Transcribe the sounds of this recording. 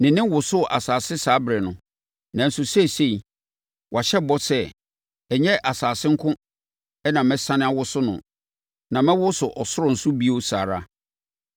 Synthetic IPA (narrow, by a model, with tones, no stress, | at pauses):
nɪ̃˨nɪ̃˦wʊ˨sʊ˦ʔa˨saː˨sɪ˦saː˨˦bɾɛ˨nʊ̃˨ | nã˨n̩˨sʊ˨sɛ˦se˦i˨ | wʔa˨ɕɛ˦bɔ˦sɛ˦ | ɛ˨ɲɛ˦ʔa˨saː˨sɪ̃˦ŋ̩˦kʰʊ̃˦ | ɛ˦nã˨mɛ̃˦sã˦nɪ̃˦a˨wʊ˦sʊ˦nʊ̰̃˨ | nã˨mɛ̃˦wʊ˦sʊ˨ʔɔ˨sʊ˦ɾʊ˨n̩˨sʊ˦bi˦o˦sa̰ː˨ɾa˦